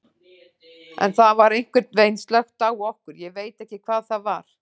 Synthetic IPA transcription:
ɛ̰nθavaɾejŋ̥kvɪɾt̪nvejnst̪lœxt̪aːwɔhkʏɾjɛveːjt̪ɛhcɪkʰvaːðθaðvaɾ̥

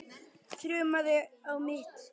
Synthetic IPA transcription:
t̪ʰɾʏːmaðɪawmɪːt̪

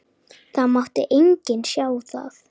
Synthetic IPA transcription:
θaðmɔht̪ɪ̰ʔeɲcɪnʃjaːwθa̰θ

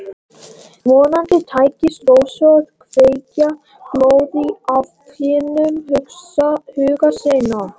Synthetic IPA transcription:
mɔːnant̪ɪt̪ʰaːjcɪsɾoːwsœð̥kʰveːjca | kloːwðiavkʰɪːnʏmɦʏksahʏːɣaseːjna

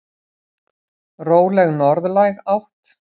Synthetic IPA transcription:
roːwlɛɣnɔɾðlajɣawht̪

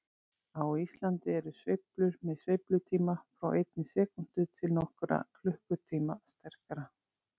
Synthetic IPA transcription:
awist̪lant̪ɪɛɾʏsvejplʏɾmɛðsvejplʏt̪ʰiːmafɾawʔejt̪nɪsɛːkʏn̥t̪ʏt̪ʰɪlnɔhkʏɾa̰kʰlʏhkʏt̪ʰiːmast̪ɛr̥kaɾa

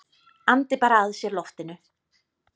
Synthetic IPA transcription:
ant̪ɪpaːɾaaðsjɛɾlɔft̪ɪnʏ

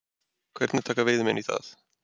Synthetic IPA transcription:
kʰwɛɾt̪nɛt̪ʰakaveðmɛniθa̰ð

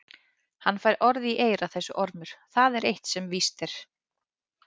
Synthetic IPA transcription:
hanːfajɾʔɔɾðiʔeːjɾaθɛsːʏʔɔɾmʏɾ̥θaðɛɾejht̪sɛmvist̪ɛɾ̥

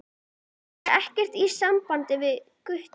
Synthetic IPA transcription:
ɾɛhcɪr̥t̪isampant̪ɪvɪðkʏht̪

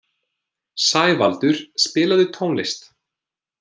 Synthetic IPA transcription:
saːjvalt̪ʏɾ̥spɪːlaðʏt̪ʰoːwnlɪst̪

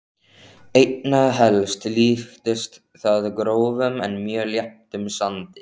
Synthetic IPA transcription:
ejt̪naðɦɛlst̪liːft̪ɪst̪ | θaðkɾoːwvʏmɛ̰nmjœːljɛht̪ʏmsant̪ɪ̥

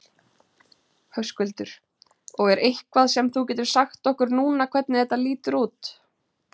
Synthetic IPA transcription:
hœwskʏlt̪ʏɾ̥ | ɔɣɛɾʔejhkvaðsɛmθucɛːt̪ʏɾ̥saxt̪ɔhkʏɾnuːnakʰvɛt̪̚nɪθɛht̪ːaliːt̪ʏɾuːt̪

